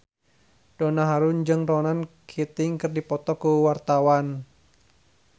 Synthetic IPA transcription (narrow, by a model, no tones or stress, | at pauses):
d̥onaɦaɾund͡ʒɨŋrɔnankʰit̪ɪŋkɨrdipɔt̪ɔkuwart̪awan